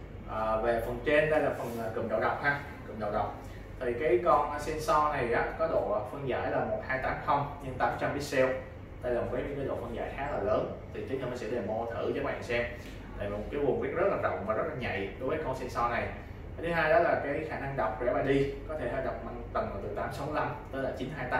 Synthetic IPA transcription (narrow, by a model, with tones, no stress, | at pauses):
ʔəː˨˩ve˨˩fə˨˩nt͡ɕe˧nɗə˧jlaː˨˩fə˨˩nʔaː˨˩kɨ̰˨˧˩mɗə̰˧˩wɗə˨˩wk͡p̚haː˧ | kɨ̰˨˧˩ɗə̰˧˨wɗa̰˨˩wk͡p̚ | t̪ʰi˨˩kaː˨˦jkɔ˧˩nʔsɛ˧nsɔ˧na˨˩jʔaː˨˦kɔ˨˦ɗo̰˧˨˩fɨ˧əŋza̰ː˧˩jlaː˨˩mo˨˩t̚haː˧jt̪aː˨˦mxʰə˧wŋ͡mɲɨ˧ŋt̪aː˨˦m˨˩t͡ɕa˧mɗi˨˦sɛ˧w | t̪aː˧jzŋ͡mvəː˨˦ɲɨ̰˧˥ŋkaː˨˦jɗo̰˧˨fə˧əŋza̰ː˧˨jxaː˨˦laː˨˩ləː˨˦nt̪ʰi˨˩t͡ɕi˨˦ŋ̟ə˧məː˨˦nsɛ̰˧˥ɗe˨˩mo˧t̪ʰɨ˧˩t͡ɕɔ˨˦mɓa̰ː˧˨ŋsɛ˧m | t̪a̰ː˧˨jvi˨˩mo˨˩kaː˨˦jvu˨˩ŋɓi˦˥t̚zə˦˥t̚laː˨˩zə̰˨˩w̚vaː˨˩zə˦˥t̚laː˨˩ɲa̰˧˨jɗo˨˦jvəː˨˦jko˧sɛ˧nsɔ˧na˨˩j̪ʰ | t̪ʰɨ˨˦ɦaː˧jɗɔ˨˦laː˨˩kaː˨˦jxaː˧˩na˧ŋɗwk͡p̚zɛ̰˧˥maː˨˩ɗi˧kɔ˨˦t̪ʰe˧˩haː˧˦jɗa˨˩wk͡p̚ma˧ŋt̪ə˨˩nva˨˩t̪ɨ˨˩t̪aː˨˦msa˨˦wla˧mt̪əː˨˦jlaː˨˩t͡ɕi˨˦nɦaː˧jt̪aː˨˦